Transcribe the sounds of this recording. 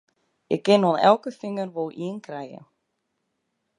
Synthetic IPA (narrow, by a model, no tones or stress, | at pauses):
jɛ̰kɪnhɔnɛwkʏfɪŋːʏɾvoːwʔiŋkɾaːjɪ̰